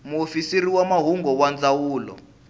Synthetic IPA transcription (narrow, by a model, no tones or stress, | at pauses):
muofisiɾiwamaɦuŋɡɔwand͡zawuːlɔ̰